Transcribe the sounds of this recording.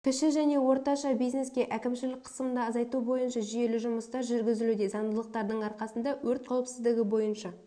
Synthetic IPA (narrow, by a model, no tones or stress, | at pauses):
kʲʰɪʃɪʒæne̞wo̞ɾt̪ɑʃɑbijzne̞skʲe̞ʔækʲɪmʃɪlɪk̚ʲqʰə̥səmənd̪ɑːzɑjt̪ubo̞jənʃɑʒije̞lɪʒʊməst̪ɑɾʒʏɾɡʲɪzɪlud̪ezɑnd̪əlˠəq̚t̪ɑɾd̪əɴɑɾqɑsənd̪ɑwɵɾt̪̚qʰɑwəpsɪzd̪ɪɡʲɪbo̞jənʃɑ